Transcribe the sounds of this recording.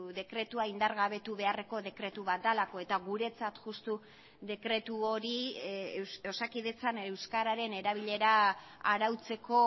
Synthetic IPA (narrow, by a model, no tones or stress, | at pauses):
ðe̞kɾe̞t̪uaind̪aɾɣaβe̞t̪uβe̞are̞ko̞ðe̞kɾe̞t̪uβat̪̚d̪alako̞e̞t̪aɣuɾe̞t͡sat̪ʝust̪u | ðe̞kɾe̞t̪uo̞ɾi | o̞sakiðe̞t͡sane̞wskaɾaɾe̞ne̞ɾaβ̞iʎe̞ɾaː | ɾawt͡se̞ko̞